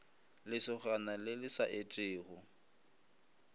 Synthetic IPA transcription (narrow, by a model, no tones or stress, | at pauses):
lɪsɪχanalɪlɪsaʔetʼɪːɣʊ